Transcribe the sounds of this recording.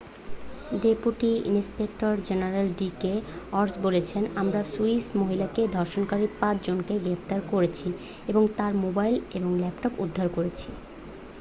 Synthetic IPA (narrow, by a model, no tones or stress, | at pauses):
ɖepuʈiḭnspek̚ʈoɾd͡ʑenaɾelɖikeɔɾsbolet͡ɕʰenamɾasuismoɦilaked̪ʱɔɾʃonkaɾipãt͡ɕʰd͡ʑonkeɡɾept̪aɾkoɾet͡ɕʰi | eboŋt̪aɾmobajleboŋlɛpʈɔpṵd̪ʱːaɾkoɾet͡ɕʰi